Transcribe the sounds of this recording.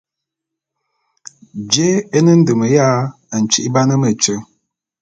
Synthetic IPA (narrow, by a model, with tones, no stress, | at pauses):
d͡ʒe˦e˦nə˦n̩˦də˨mə˨ja˦ | ə˨n̩˨t͡ʃi˦ʔba˦nə˦mə˨t͡ʃə˦